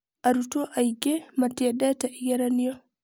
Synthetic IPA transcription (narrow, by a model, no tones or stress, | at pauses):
ʔaɾutɔʔajɡɛmatɛdataʔiɡɛɾanijɔ